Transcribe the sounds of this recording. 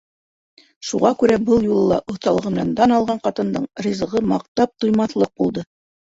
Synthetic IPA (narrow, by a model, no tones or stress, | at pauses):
ʃuʁɑkʉɾæbɤlˠjulˠɤlˠɑ̰ʔŏθt̪ɑlˠɤʁɤ̆mnɑnd̪ɑnɑlˠʁɑɴqɑt̪ɤ̆nd̪ɤɴrʲizɤ̆ʁɤmɑq̚t̪ɑp̚t̪ŏjmɑθlˠɤq̚bulˠd̪ɤ